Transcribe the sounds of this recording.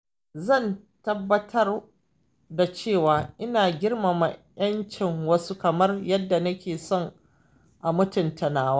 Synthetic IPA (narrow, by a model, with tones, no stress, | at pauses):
zɐ˦˨n | tɐ˦bːɐ˦tʰɐ˦r | da˨t͡ʃeː˦˨waː˨ʔɪ˦naː˨ɡʲɪ˦rma˨ma˨j̰ɐ˦nt͡ʃɪ˨ŋwɐ˦su˦kɐ˨mɐ˦rjɐ˦dːa˨nɐ˦kʲeː˨sɔ˦˨ŋ | ʔa˨mʊ˦tʊ˨ntɐ˨naː˦waː˦